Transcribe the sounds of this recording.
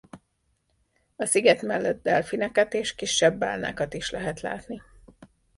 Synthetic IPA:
ɒsiɡɛt̪mɛlːɛd̪̚d̪ɛlfinɛkɛt̪eːʃkiʃːɛbːa̰ːlna̰ːkɒt̪iʃlɛɦɛt̪la̰ːt̪ni

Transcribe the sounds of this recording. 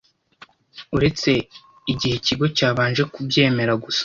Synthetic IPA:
uɾe̞t͡se̞ | iɟihe̞ciɡo̞caːβaːnʒe̞kubje̞ːme̞ɾaɡusḁ

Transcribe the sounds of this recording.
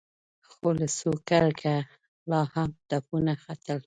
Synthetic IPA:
xolasokaɾkʰa | lɑhamt̪apunaxat̪əl

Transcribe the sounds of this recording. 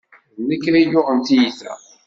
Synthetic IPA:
nəkːɾæjʊʁənt̪ijiθæ̰

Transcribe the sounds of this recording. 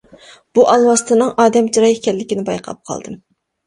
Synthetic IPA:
b̥uʔɑlˠwɑst̪ʰɨnɨŋʔɑːd̪ɛmt͡ʃʰiɾɑjkʲɛlːɪkʲinɪbɑjqʰɑ̰p̚qʰɑ̰lˠd̪ɨm

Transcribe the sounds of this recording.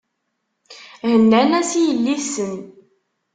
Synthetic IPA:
hənːænæsijəlːiθsən

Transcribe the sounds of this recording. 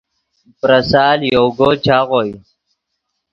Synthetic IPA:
pɾɐsaːljowɡot͡ɕʰaːʁoj

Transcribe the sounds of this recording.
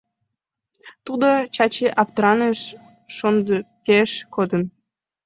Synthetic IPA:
t̪ud̪ot͡ɕɑt͡ɕeʔɑpt̪ɾɑneʃː | ond̪keʃkod̪ən

